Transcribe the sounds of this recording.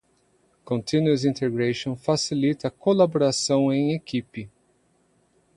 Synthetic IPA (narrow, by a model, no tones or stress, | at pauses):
kõnt̪ʰĩnuuzĩnt̪eɡɾeʃõfasilit̪ɐkolaboɾasɐ̃w̃ẽj̃ekipɪ